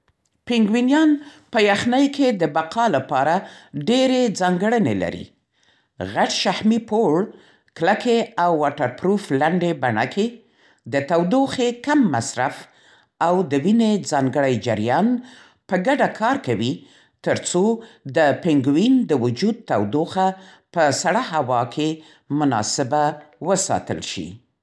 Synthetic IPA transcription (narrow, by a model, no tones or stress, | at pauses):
pɪŋɡwinjɑnpəjaxnəjkʰed̪əbaqʰɑlapɑɾaɖeɾed͡zɑŋɡəɽənḛla̰ɾḭ | ɣaɖʃahmipoɽ | klakeawːɑʈaɾpɾuflaɳɖebaɳa̰kʰe | d̪ət̪awd̪oxekamːa̰sɾaf | awd̪əwined͡zɑŋɡəɽajd͡ʒaɾjɑn | pəɡaɖakʰɑɾkawi | t̪əɾt͡sod̪əpɪŋɡwind̪əwʊd͡ʒud̪̚t̪awd̪oxa | pəsaɽaɦawɑkʰe | mʊnɑ̰sɪbawəsɑ̰t̪ə̰lʃḭ